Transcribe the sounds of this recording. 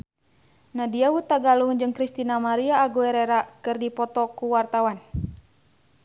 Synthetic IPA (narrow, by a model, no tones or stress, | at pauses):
nadiawut̪aɡaluŋd͡ʒɨŋkɾist̪inamaɾiaːɡuɛɾɛɾakɨrdipɔt̪ɔkuwart̪awan